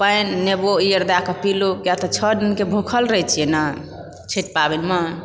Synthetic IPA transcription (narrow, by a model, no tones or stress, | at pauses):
pəjnːeboijəɾd̪akəpilukjat̪ɔt͡ʃʰədinkebʱukʰəlɾəjt͡ʃʰiena | t͡ʃʰiʈ̚pabinmən